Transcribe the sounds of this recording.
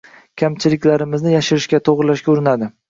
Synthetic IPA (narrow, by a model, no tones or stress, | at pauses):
kʲʰamt͡ʃʰɪlɪkʲlaɾɪmɪznɪjaʃɪɾɪʃkʲat̪ʰoʁɾɪlaʃkʲaʊɾɪnad̪ɪ